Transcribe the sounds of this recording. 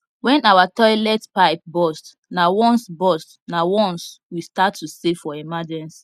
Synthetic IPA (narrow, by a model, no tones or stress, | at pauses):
wɛ̃nawatɔɪlɛtpaɪp̚bɔst | nawɔ̃nsbɔst | nawɔ̃nswistatʰːusefɔimad͡ʒɛ̃ns